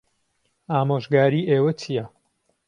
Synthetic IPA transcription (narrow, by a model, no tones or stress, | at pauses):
aːmoːʒɡaːɾiːʔeːwɐt͡ʃʰijɐ